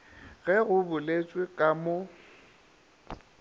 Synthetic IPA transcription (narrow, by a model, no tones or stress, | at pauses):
ɣɛɣʊbʊlet͡sʼwekʼamo